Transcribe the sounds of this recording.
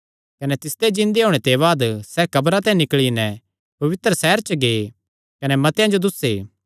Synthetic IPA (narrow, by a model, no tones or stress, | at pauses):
kɐnɛt̪ɪst̪ed͡ʒɪ̃nd̪eɦoːɽ̃et̪eβaːd̪sɛkɐbɾãt̪ɛ̃ːĩnɪkɭinɛ̃ | pɐʋɪt̪ɾəsɛɦɛɾt͡ʃɐɡeː | kɐnɛmɐt̪ejãd͡ʒod̪ʊseː